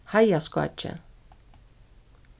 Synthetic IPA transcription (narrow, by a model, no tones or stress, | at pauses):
hajaska̰t͡ʃʰːɛ̰